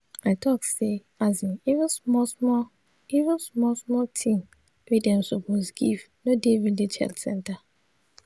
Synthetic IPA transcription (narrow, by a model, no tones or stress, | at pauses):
aɪtʰɔkse | azĩniṽsmɔsmɔ | ivə̃nsmɔlsmɔltʰĩm | widɛ̃msɔpɔsɡḭv | nodevidlet͡ʃɛ̰ltsɛ̰̃nta